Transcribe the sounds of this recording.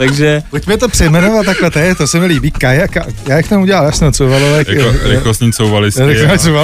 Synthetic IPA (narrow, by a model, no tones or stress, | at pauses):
t̪aɡʒɛpocmɛt̪opr̥ɛjmɛnovat̪ːaklɛt̪ɛt̪osɛmɪliːbiːkajakajaːjakt̪omuɟɛlaljaːsɛnot͡sowvalolɛkɾɪkosɲiːt͡sowvalɪsɾɪst͡sowva